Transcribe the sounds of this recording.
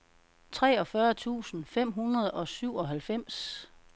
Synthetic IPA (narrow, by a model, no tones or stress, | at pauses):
t͡sʰʁɛːɒ̽fɶɐt͡sʰṵːsn̩fem̰ɦunɐð̞̩ˠɒ̽syʊ̰ɒ̽ɦælfem̰s